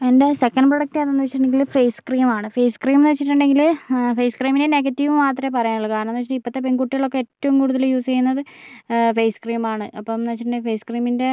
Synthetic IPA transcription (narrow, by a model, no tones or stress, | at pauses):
ende̞se̞kːɐnɖproɽɐk̚ʈaðonːuʋɐt͡ɕːiʈuɳɖe̞ŋɡilfejskriːmaːɳɨfejskriːmnɨʋɐt͡ɕːiʈːuɳɖe̞ŋɡilfejskriːmineneɡɐtːiʋumaːt̪̬repɐrɐjaɐɭːkaːɾɐmɐnːʋɐt͡ɕiʈːipːɐt̪ːe̞penkuʈːiɣɐɭokːe̞etːɐʋumkuːɽuðɐljuːst͡ɕejːunːɐðɨfejskriːmaːɳɨʔɐpːɐnɨʋɐt͡ɕːiʈuɳɖefejskriːminde̞